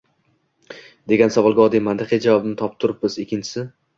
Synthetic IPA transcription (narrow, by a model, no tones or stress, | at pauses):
d̪e̞ɡʲansavɒlˠɡʲɒd̪ijmant̪ʰɪqʰijd͡ʒavɒbɪnɪt̪ʰɒp̚t̪ʰʊɾɪp̚bɪzekʲʰːɪnt͡ʃʰɪ̥sɪ